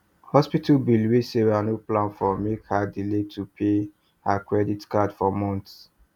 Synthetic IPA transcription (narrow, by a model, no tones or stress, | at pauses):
hɔspitalbilweseɹanoplãnfɔmekhadiletʰupʰe | hakɹɛditkadfɔmɔ̃nts